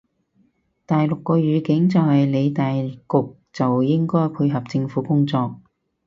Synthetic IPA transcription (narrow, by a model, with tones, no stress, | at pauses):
t̪aː˨jlʊ˨kːɔː˧ɥyː˨˧kɪ˨˥ŋt͡sɐ˨whɐ˨jle˨˧jt̪aː˨jkʊ˨k̚ | t͡sɐ˨wjɪ˥ŋkɔː˥jpʰu˧ɦɐ˨p̚t͡sɪ˧ŋfuː˨˥kʊ˥ŋt͡sɔː˧k̚